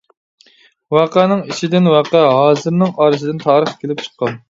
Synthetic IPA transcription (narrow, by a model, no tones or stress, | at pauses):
wɑːqænɨŋiʃid̪ɪnwɑːqæɦɑːzɨɾnɨŋɑːɾɨsɨd̪ɪnt̪ʰɑːɾəχkʲʰelɪp̚t͡ʃʰqʰːɑn